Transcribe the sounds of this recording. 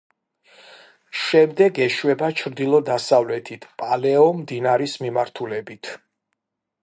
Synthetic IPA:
ʃɛmd̪ɛɡɛʃwɛbat͡ʃʰɾd̪ilˠɔd̪asavlɛt̪ʰit̪ʰpʼalɛɔmd̪inaɾismimaɾt̪ʰulɛbit̪ʰ

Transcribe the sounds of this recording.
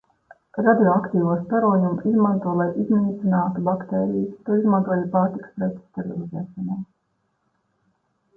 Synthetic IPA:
ɾad̪ioakt̪iːvuɔsp̪aɾuɔjumizmant̪uɔlˠajʔizniːt̪sinaːt̪ubakt̪eːɾijut̪uːizmant̪uɔjapaːɾt̪ikspɾɛt̪st̪ɛɾilˠizɛːʃɔnuːm

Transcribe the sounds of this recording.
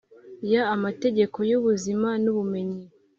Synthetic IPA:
jaːmate̞ɟe̞ko̞juβuzimanuβume̞ɲi

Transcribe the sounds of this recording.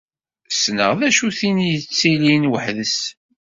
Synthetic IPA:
snə̰ʁðæʃuθinijət͡sːilinwəħðəs

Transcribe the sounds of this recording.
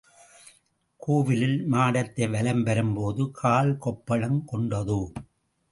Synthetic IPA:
kuːʋɪlɪlmaːɽɐt̪ːɐɪʋɐlɐmpɐɾɯmpoːðɯkʰaːlkɔpːɐɭɐmkɔɳɖɐðɯ

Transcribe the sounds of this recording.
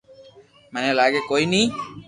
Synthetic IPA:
manelaɡekojni

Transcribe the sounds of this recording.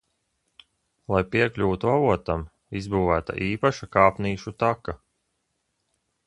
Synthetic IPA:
lˠajpiɛklʲuːt̪uavuɔt̪am | izbuːvæːt̪a̰ʔiːpaʃakaːpniːʃut̪aka

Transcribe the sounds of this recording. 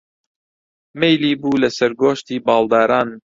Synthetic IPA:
mejliːbuːlɐsɐɾɡoːʃt̪iːbɑːld̪ɑːɾaːn

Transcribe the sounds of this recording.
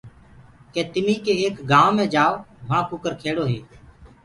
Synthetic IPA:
kẽːt̪ɪmiːkeːeːkɡãːʋmẽːd͡ʒaːʋmãːkʊkəɾkʰeːɽoːɦeː

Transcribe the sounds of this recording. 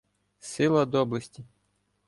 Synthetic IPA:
sɪlˠɐd̪ɔblˠɐsʲtʲi

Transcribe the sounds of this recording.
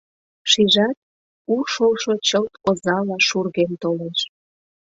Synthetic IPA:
ʃiʒɑt̪̚ | uʃolʃot͡ɕəlt̪ozɑlɑʃurɣemt̪oleʃ

